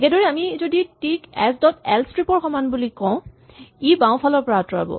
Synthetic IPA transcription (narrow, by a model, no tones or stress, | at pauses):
kɛdɔɹɛamizoditikɛ̰sdɔtɛ̰lstɹipɔɹxɔmanbulikɔ̃ʊ̃ | ibãw̃pʰalɔɹpɔɹatɔɹa̰bɔ̰